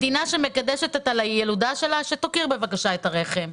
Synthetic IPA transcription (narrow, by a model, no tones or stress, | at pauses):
dinaʃe̞mekadeʃetetalajeludaʃe̞laʃet̪okiʁbe̞vakaʃaetaʁe̞χe̞m